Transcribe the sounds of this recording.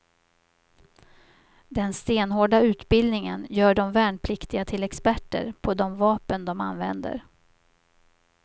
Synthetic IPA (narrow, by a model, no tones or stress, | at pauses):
d̪ɛnst̪eːnhoːɖaʉ̟ːt̪bɪld̪nɪŋə̰njœːɖɔmvæːɳpʰlɪkt̪ɪɡat̪ʰɪlɛkspæʈːə̰ɾpʰɔd̪ɔmvɑːpənd̪ɔma̰nːvɛ̰nd̪ə̰ɾ